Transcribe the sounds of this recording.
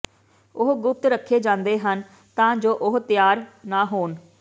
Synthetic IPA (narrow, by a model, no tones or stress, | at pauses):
ʊɦɡʊp̚t̪ɾəkʰːeːd͡ʒãːnd̪eːɦən | t̪ãːd͡ʒoːʔʊɦt̪ɪjaːɾnaːɦoːn